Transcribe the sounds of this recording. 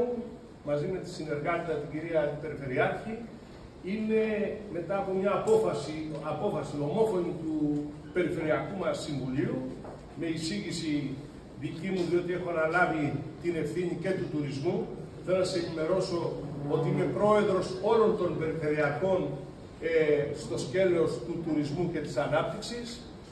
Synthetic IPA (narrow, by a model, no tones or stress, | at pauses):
mɐzime̞t̪i̥sine̞ɾɣɐt̪it̪ɐt̪iɟiɾiɐpe̞ɾife̞ɾiɐçi | ine̞me̞t̪ɐːpo̞mɲɐːpo̞fɐsiɐpo̞fɐsino̞mo̞fo̞nit̪u | pe̞ɾife̞ɾiɐkumɐsiɱvuliu | me̞isiʝisi | ðicimuðio̞t̪ie̞xoɐnɐlɐvit̪ine̞fθiɲice̞t̪ut̪uɾizmu | θe̞lo̞nɐsenime̞ɾo̞so̞ot̪iine̞pɾo̞e̞ðɾo̞so̞lo̞nt̪o̞nbe̞ɾife̞ɾiɐko̞n | est̪o̞sce̞ɾo̞st̪ut̪uɾizmuce̞t̪i̥sɐnɐp̚t̪iksis